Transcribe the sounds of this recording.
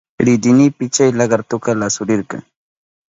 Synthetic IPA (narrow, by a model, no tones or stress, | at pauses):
ɾɪd̪ɪnɪpɪt͡ʃajlɑɢɑɾt̪ʊkalasʊɾɪɾkɑ̰ŋ